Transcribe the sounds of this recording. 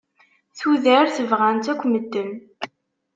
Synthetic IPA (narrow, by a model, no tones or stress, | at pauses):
θuðəɾθəvʁænt̪ækʷːməd̪ːəm